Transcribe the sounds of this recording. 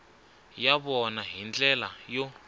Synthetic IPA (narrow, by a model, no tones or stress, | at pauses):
jaβɔnaɦind͡ɮɛlajo